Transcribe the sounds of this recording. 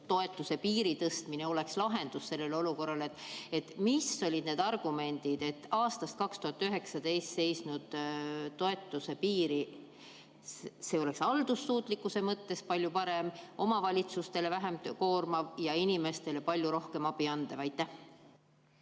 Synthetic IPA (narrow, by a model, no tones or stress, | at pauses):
t̪o̞e̞t̪ːˑuse̞piːɾit̪ɤst̪mine̞o̞le̞kslɑɦe̞nd̪̥usːe̞lːe̞lo̞luko̞rːɑlet̪ːˑe̞t̪ːmisːo̞lʲid̪ne̞ːd̪ɑrɡ̥ume̞nʲd̪̥id̪̥e̞t̪ːˑɑːst̪ɑst̪̚kɑkst̪uhɑt̪ːˑyɦe̞ksɑd̪e̞jst̪se̞jsnud̪̥ːo̞e̞t̪ːˑuse̞piːɾi | sse̞o̞le̞ksɑld̪usːuːt̪ˑlikːˑuse̞mɤt̪ːe̞spɑlʲjupɑɾe̞mʔo̞mɑvɑlʲit̪sust̪e̞le̞væɦe̞mko̞ːrmɑvjɑinime̞st̪e̞le̞pɑlʲjuɾo̞hke̞mɑb̥iɑnd̪̥evɑjt̪ːæh